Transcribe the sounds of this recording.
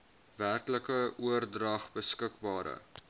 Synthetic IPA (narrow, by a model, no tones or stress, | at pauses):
værkləkəuərdrɐχbəskəkbɑːɾə̰